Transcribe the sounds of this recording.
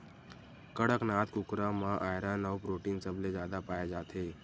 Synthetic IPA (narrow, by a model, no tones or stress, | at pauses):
kəɽəknaːt̪kʊkɾamãʔaːjɾãnəwpɾoːʈiːnsəbled͡ʒjaːd̪apaːjad͡ʒaːt̪ʰeː